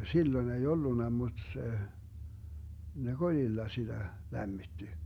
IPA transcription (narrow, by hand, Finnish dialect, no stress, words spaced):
silːoĭn ei olːunːɑ mud̥ se ne kolʲilːɑ sid̥æ læmːitːi